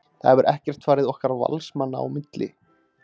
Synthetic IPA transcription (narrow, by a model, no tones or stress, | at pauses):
θa̰ɛvʏɾʔɛhcɛr̥t̪faːɾɪðɔhkaɾva̰lsmanːaa̰wmɪt̪lɪ̰